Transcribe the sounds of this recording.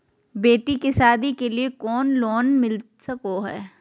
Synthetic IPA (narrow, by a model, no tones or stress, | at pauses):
beːʈikɪsaːd̪ikeliekɔːnloːnmɪl | sɐkoɦɛ̰ː